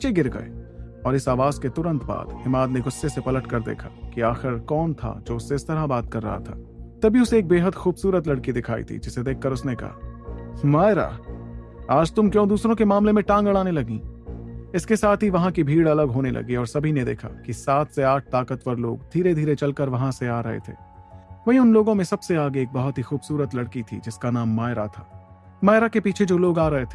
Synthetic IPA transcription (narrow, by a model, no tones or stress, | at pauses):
t͡ʃeɡɪɾɡɐ̰ḛː | ɔːɾɪsaːʋaːzket̪ʊɾə̃nt̪ba̰ːd̪hɪmaːd̪neɡʊsːesepɐləʈkɐɾd̪ḛːkʰa̰kiaːxɪɾkɔːnt̪ʰa̰d͡ʒoːʊsːeɪst̪ɐɾabaːt̪̚kɐɾːɐ̰ɦa̰t̪ʰa̰ː | t̪ɐbʱiʊseːk̚beːɦəd̪xuːbsuːɾət̪lɐɽkid̪ɪkʰaːḭt̪ʰḭd͡ʒɪsed̪eːkʰːɐɾʊsnekɐ̰ɦa̰maːjɾa̰ː | aːd͡ʒt̪ʊmkjõːd̪uːsɾõkemaːmlemẽʈãːŋɡɐɭ̃aːnelɐɡḭ̃ː | ɪskesaːt̪ʰiʋɐɦãkibʱiːɽɐləɡɦoːnelʔɐ̰ɡiɔːɾsɐbʱined̪ḛːkʰa̰kisaːt̪ʰseaːʈ̚ʰt̪aːkət̪ʋəɾlo̰ːɡ̚d̪ʱiːɾed̪ʱiːɾet͡ʃɐlkəɾʋɐɦãseaːɾɐɦḛt̪ʰḛːʋɐɦiʊnloːɡõmẽsɐbseaːɡeeːk̚bɐɦʊt̪ɦixuːbsuːɾət̪lɐɽkit̪ʰḭd͡ʒɪskanaːmːaːjɾat̪ʰḁː | maːɪɾakepiːt͡ʃʰed͡ʒoːloːɡaːɾɐɦet̪ʰeː